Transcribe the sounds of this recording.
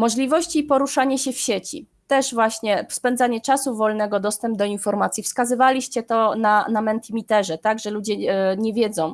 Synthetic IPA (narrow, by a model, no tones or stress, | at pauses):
mɔʐlʲivɔɕt͡ɕiːpɔɾuʂaɲɛɕɛfɕet͡ɕḭ | t̪ɛʐvwaɕɲɛspɛnd̪zaɲɛt͡ʂasuvɔlnɛɡɔd̪ɔst̪ɛmb̚d̪ɔinfɔɾmat̪sʲjifskazɘvalʲiɕt͡ɕɛt̪ɔnanamɛnt̪imʲit̪ɛʐɛt̪aɡʐɛlud͡ʑɛɲɛvʲjɛd̪zɔ̃w̃